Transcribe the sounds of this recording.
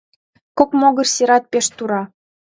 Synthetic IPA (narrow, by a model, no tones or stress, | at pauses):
kokmoɣərseɾɑt̪̚peʃt̪uɾɑ